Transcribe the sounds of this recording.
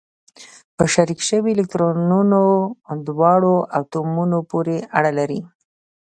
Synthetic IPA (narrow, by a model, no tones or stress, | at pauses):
pəʃaɾikʃəwilɪk̚t̪ɾonunod̪wɑɽoʔawt̪omunopoɾeʔaɽalaɾi